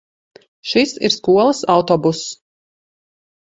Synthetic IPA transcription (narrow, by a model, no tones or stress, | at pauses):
ʃisḭɾskuɔlˠəsawt̪ɔbus